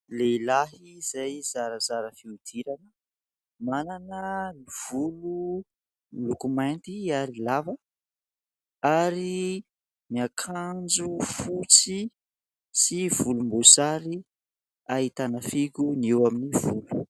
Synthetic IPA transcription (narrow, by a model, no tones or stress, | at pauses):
lelaɦiz̥ajzaɾəzaɾəfiud̪̥iɾanə | mananəliv̥ulu | lukumajnt̪iaɾilavə | aɾi | miakʰand͡ʒufut͡si | siv̥ulumbosaɾi | aɦit̪anəfiɡuniwaminivulu̥